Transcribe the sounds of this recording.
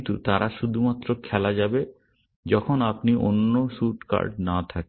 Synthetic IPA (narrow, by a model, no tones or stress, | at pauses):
nt̪ut̪aɾʔaʃud̪ʱumat̪ːɾokʰɛlad͡ʑabe | d͡ʑɔkʰonapniʔo̰nːoʃuʈka̰ɾɖnat̪ʰake